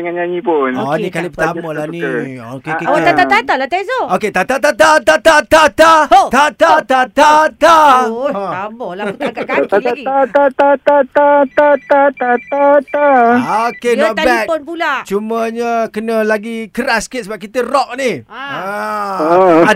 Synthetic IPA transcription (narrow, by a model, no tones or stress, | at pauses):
əŋanɲaɲipʊnnikalipət̪amməlaniokekeot̪at̪at̪at̪alat̪ezooket̪at̪at̪at̪at̪at̪at̪at̪at̪at̪at̪at̪at̪a | abɔlaut̪kakaaaat̪at̪at̪at̪at̪at̪at̪at̪aokeɔt̪̚abɛik̚pʊnpulat͡ʃuməɲəkənəlaɡikəɾasket̪̚səbap̚kit̪ərɔʔ̚nia